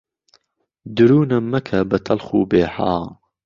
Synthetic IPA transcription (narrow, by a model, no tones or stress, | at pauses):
d̪ɨɾuːnɐmːɐkʰɐbɐt̪ʰɐlxṵːbeːħa̰ː